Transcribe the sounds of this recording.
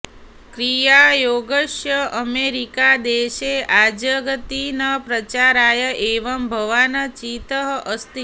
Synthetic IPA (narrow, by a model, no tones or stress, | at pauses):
kɾijajoɡəʃjəʔəmeɾikad̪eʃead͡ʒəɡət̪inəpɾət͡ʃaɾajəʔeʋəmbʱəʋanət͡ʃit̪əɦʔəst̪i